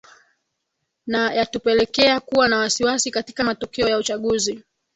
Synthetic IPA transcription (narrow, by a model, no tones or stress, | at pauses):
najatupɛlɛkɛakuwanawasiwasikati̥kamatɔkɛɔjaut͡ʃaɠuzi